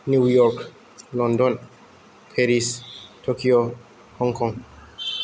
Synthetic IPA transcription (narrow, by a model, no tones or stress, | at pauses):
nujɔk | lɔ̃ndɔ̃n | pʰeɾistʰokʰio | hɔ̃ŋkʰɔ̃ŋ